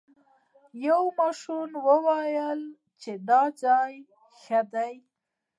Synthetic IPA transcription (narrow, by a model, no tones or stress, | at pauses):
jawmɑʃunwəwajəl | t͡ʃeɖɑd͡ʒɑj | xad̪aj